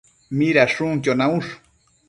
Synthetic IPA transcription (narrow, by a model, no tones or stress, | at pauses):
miɾaʂuŋt͡ʃonauʃ